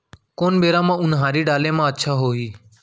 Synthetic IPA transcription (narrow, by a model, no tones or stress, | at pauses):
koːnɓeːɾãːmãːʊnɦãːɾiːɖaːlẽːmãːətːʃʰaːɦoːɦiː